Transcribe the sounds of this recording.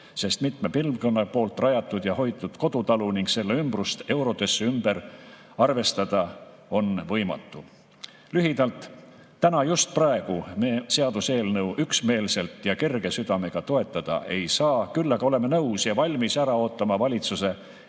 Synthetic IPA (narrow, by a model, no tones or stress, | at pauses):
se̞st̪mit̪ˑmepilvkonːɑpo̞ːlt̪ːˑrɑjɑt̪ːˑud̪̥jɑho̞jt̪ːˑud̪̥ko̞d̪̥ut̪ɑluniŋkse̞lːeymbrust̪e̞wɾo̞t̪e̞sːeymbe̞ɾ | ɑrve̞st̪ɑd̪̥ɑ | o̞nvɤjmɑ̰t̪ːu | lyɦid̪̥ɑlt̪ː | ænɑjust̪̚prɑe̞ɡ̥umeːse̞ɑd̪use̞ːlnɤwʔyksme̞ːlse̞lt̪jɑke̞rɡ̥e̞syd̪̥ɑme̞ɡ̥ɑt̪o̞e̞t̪ːˑɑd̪̥ɑ̰ʔe̞jsɑːkylːɑɡ̥ɑo̞le̞menɤwsjɑvɑlʲmisæɾɑo̞ːt̪ːˑɑmɑvɑlʲit̪suse̞